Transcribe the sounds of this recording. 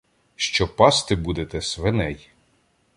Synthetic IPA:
ʃt͡ʃɔpɑst̪ɪbud̪et̪ɛsʋenɛj

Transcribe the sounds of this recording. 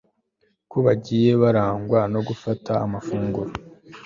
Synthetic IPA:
kuβaɟiːje̞βaɾaːŋɡwano̞ɡufatʰaːmafuːŋɡuɾo

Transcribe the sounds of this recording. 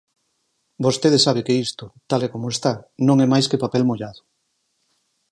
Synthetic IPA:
bost̪eðesaβ̞ekeist̪ʊt̪alekomoest̪anõŋɛmajskepapɛlmoʎaðʊ

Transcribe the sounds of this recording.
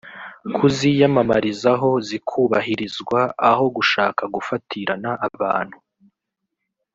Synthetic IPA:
kʰuzijamamaɾizaɦo̞zikʰuːβaɦiɾizɡwaːho̞ɡuʃaːkaɡufatʰiɾanaʔːβa̰ːn̥hu

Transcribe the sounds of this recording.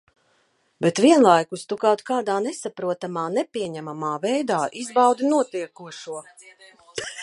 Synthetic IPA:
bɛt̪viɛnlˠajkust̪ukawt̪kaːd̪aːnɛsapɾuɔt̪amaːnɛpʲiɛɲæmamaːvɛjd̪aːʔizbawd̪inuɔt̪iɛkuɔʃuɔ

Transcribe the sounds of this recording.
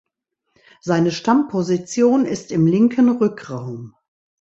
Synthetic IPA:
z̥aɪnəʃtampʰozit͡sjoːnɪstɪmlɪŋkʰənʁʏkʁaʊm

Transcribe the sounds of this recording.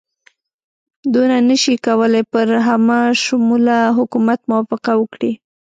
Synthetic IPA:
d̪unanəʃikawəlajpəɾɦamaʃʊmulaɦʊkumat̪mʊwafɪqawəkɽi

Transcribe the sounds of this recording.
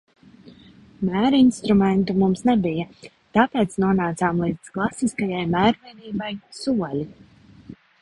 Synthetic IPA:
mæːɾinst̪ɾumɛnt̪umumsnɛbija | t̪apeːt̪snuɔnaːt̪saːmlˠiːd̪zklˠasiskajajmæːɾviɛd̪iːbajsuɔlʲi

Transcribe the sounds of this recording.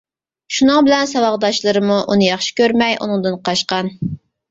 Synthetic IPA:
ʃunɨŋbɪlɛnsɑwɑʁd̪ɑʃlˠɨɾɨmuʔunɨjɑχʃi̥kʲøɾmɛjʔṵnɨŋd̪ɨnqʰɑʃqɑn

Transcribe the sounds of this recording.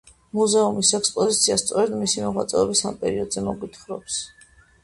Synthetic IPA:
muzɛumisɛkspʼɔzit̪sʰiast̪sʼɔɾɛd̪misimɔʁwa̰t̪sʼɛɔbisa̰mpʼɛɾiɔd̪zɛmɔɡit̪ʰχɾɔps

